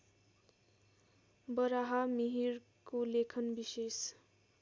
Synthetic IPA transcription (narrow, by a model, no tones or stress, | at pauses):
bʌɾaɦamiɦiɾ | kolekʰʌnbises